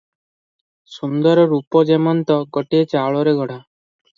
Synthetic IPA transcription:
sund̪ɔɾɔɾupɔd͡ʒemɔnt̪ɔɡɔʈiet͡ʃaɭɔɾeɡʱɔɽ̤a

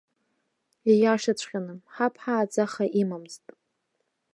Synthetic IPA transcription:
ijaʂat͡ɕʷʰʼqʲʼanɨmħapʰħaːd͡zaχaʔimamztʼ

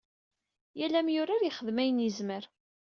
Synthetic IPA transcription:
jælæmjʊɾaɾjɪχəðmæjənizməɾ

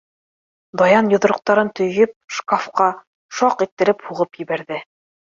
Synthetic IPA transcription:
d̪ɒjɑnjŏðŏɾɤ̆q̚t̪ɑɾɤnt̪ɵ̆jɵp̚ʃkafqɑ | ʃɒqit̪ːɘ̆ɾɘphuʁɤpjɘ̆βæɾðɘ

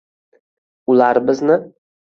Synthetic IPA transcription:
ʊlˠaɾbɪznɪ

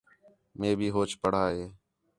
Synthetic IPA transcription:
mẽːbʱiːɦoːt͡ʃpəɽ̤aːɦeː

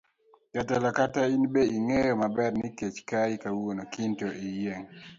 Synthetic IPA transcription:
katalɔkatainbeiŋejɔmabɛrniket͡ʃkaikawonokintoʔieŋ

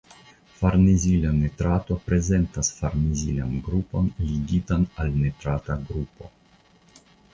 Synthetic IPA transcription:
faɾnezilanet̪ɾat̪opɾezent̪asfaɾnizila̰nɡɾupo̞nliɡit̪analnet̪ɾat̪aɡɾupo̞̰

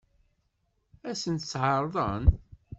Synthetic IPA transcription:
æsənt̪sːʕɑɾˤðˤən

